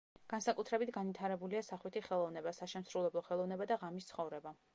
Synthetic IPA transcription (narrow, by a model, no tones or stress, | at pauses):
ɡ̥ansakʼut̪ʰɾɛbit̪ʰɡanvit̪ʰaɾɛbuliasaχwit̪ʰiχɛlˠɔvnɛbasaʃɛmsɾulɛblˠɔχɛlˠɔvnɛbad̪aʁamist̪sʰχɔvɾɛba